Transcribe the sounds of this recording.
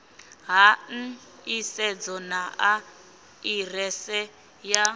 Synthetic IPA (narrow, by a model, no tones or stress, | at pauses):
ɦan̩ | isɛd͡zɔnaʔa | irɛsɛ | ja